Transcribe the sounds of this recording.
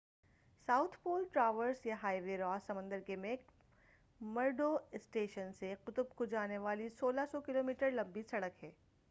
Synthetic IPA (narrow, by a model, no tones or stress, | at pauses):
saːʊt̪ʰpoːlʈɾaːʋəɾsjaɦaːɪʋeɾɔːsɐmə̃nd̪əɾkemeːk | mɐɾɖoːɪsʈeːʃənseqʊt̪ʊbkod͡ʒaːneʋaːlisoːlasɔkɪloːmiːʈəɾlɐ̃mbisɐɽəkɦɛː